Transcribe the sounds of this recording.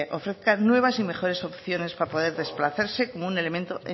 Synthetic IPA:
ʔo̞fɾe̞θkanwe̞β̞asime̞χo̞ɾe̞so̞pθjo̞ne̞spapo̞ðe̞ɾðe̞splaθaɾse̞ko̞moune̞le̞ment̪oe

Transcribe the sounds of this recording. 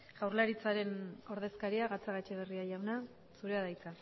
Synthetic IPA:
ɣ̥awɾlaɾit͡saɾe̞no̞ɾðe̞skaɾiaɣat͡saɣat͡ʃeβ̞e̞riaʝawna | suɾe̞aðajt͡sa

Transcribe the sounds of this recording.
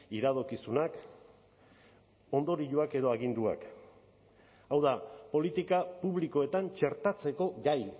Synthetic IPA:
iɾaðokisunak | o̞nd̪o̞ɾiʎuake̞ðo̞aɣ̞ind̪ua̰k | awðapo̞lit̪ikapuβliko̞e̞t̪ant͡ʃe̞ɾt̪at͡se̞ko̞ɡaj

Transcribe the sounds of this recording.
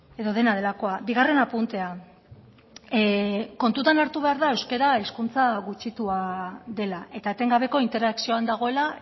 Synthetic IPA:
e̞ðo̞ð̞e̞nað̞e̞lako̞abiɣ̞are̞napunt̪e̞a | ko̞nt̪ut̪anaɾt̪uβe̞aɾðae̞wske̞ɾaiskunt͡saɣut͡ʃit̪uaðe̞lae̞t̪aet̪e̞ŋɡaβ̞e̞ko̞int̪e̞ɾaksio̞and̪aɣ̞o̞e̞la

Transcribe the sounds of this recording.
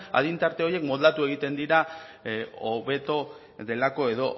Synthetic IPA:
a̰ðint̪aɾt̪e̞oje̞kmold̪at̪ue̞ɣ̞it̪e̞nd̪iɾa | oβe̞t̪o | ðe̞lako̞e̞ðo̞

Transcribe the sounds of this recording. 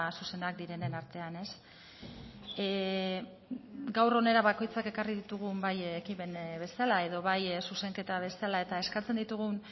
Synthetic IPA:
suse̞nd̪ak̚d̪iɾe̞nenaɾt̪e̞ane̞s | ɡawro̞ne̞ɾaβako̞jt͡sake̞kariðit̪uɣumbajekipe̞nβe̞salae̞ð̞o̞βajsuse̞ŋke̞t̪aβ̞e̞salae̞t̪ae̞skat͡send̪it̪uɣ̞un

